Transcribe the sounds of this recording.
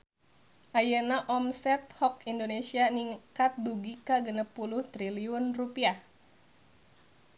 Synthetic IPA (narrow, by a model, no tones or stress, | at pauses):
ʔajənaʔɔmsɛt̪̚hɔkindonesianiŋkat̪̚duɡikaɡənəpuluht̪ɾiliunrupiah